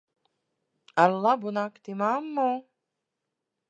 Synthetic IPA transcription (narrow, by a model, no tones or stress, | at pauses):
aɾlˠabunakt̪imamːɔː